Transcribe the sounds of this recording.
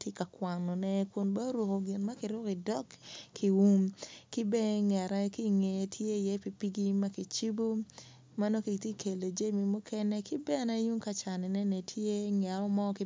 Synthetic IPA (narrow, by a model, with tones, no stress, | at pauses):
tje˦ka˨kwa˨ŋnɔ˨nɛ˦kʊ˨nba˦ɾwo˨ko˨ɡɪ˨nma˦kɪ˨ɾʊ˦kɪ˨dɔ˦kkʰːi˨wu˦mkɪ˦be˦ŋɛ˨ɾa˦ki˦ŋe˨tʰje˦˨jɛ˦pi˨pi˦ɡi˦ma˦ki˨t͡ʃi˦bu˦ | ma˦no˦ki˨ti˦kʰe˨lo˨d͡ʒe˦mi˨mo˦kʰɛ˦nɛ˦kɪ˦bɛ˦a˨na˦ju˦ŋka˦t͡ʃa˨nɪ˨nɛ˦nɛ˨tʰje˦ŋ˨a˨ɔ˦mɔ˦kɪ˦